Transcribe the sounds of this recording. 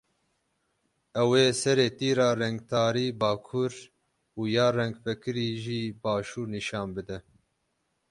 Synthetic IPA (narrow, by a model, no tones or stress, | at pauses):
ɛweːsɛɾeːt̪iːɾɑːrɛŋɡ̚t̪ʰɑːɾiːbɑːkʰuɾ | uːjɑːrɛŋɡfɛkɨɾiːʒiːbɑːʃuːɾniʃɑːnbɨd̪ɛ